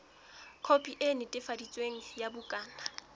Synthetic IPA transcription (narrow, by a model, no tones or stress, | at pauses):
kʰopʼiʔenɪtʼɪfadit͡sʼweŋ̩jabʊkʼaːna